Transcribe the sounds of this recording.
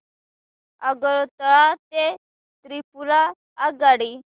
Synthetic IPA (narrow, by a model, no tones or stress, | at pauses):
aɡət̪əat̪e | t̪ɾipulaː | ɡaɽi